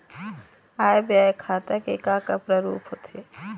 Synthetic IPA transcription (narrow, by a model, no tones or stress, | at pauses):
aːebjaːekʰaːt̪ɐkekakapɾɐɾṵːpʰɦot̪ʰeː